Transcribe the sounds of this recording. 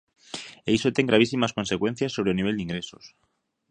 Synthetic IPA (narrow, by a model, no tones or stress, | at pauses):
eisot̪eŋɡɾaβ̞isimasko̞nsekwe̞n̟θjasːoɾeniβe̞ld̪iŋɡɾesos